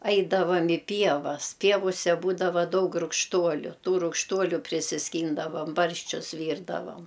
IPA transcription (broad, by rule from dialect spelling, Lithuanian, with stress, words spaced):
ˈɐɪdɐʋɐm ɪ ˈpʲiɛʋɐs ˈpʲiɛʋʊsʲɛ ˈbuːdɐʋɐ ˈdɐʊk rʊkʃˈtuɔlʲʊ ˈtuː rʊkʃˈtuɔlʲʊ pʲrʲɪsʲɪsʲˈkʲiːndɐʋɐm ˈbɐrʲʃʲt͡ʃʲʊs ˈʋʲiːrdɐʋɐm